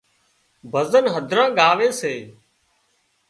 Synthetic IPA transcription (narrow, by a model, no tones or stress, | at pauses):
bʱəzənɦəd̪ʱɾãːɠaːʋeːseː